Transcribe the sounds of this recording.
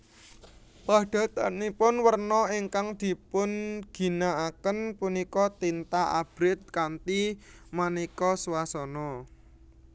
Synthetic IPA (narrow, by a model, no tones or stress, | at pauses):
pa̤ɖ̥a̤t̪anipʊnwərnɔiŋkaŋd̪̥i̤pʊnɡ̥i̤naakənpunikɔt̪int̪aʔa̰b̥ɾɪt̪̚kant̪imanikɔswasɔnɔ